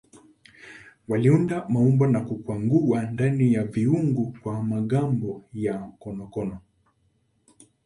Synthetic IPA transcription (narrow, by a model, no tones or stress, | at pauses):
waliundamaumbanakukwaŋɡuwandanijaviuŋɡukwamaɠambɔjakɔnɔkɔnɔ